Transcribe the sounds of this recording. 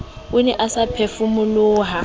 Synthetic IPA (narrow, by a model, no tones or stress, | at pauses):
ʊnɛʔasapʰefumʊlʊːɦa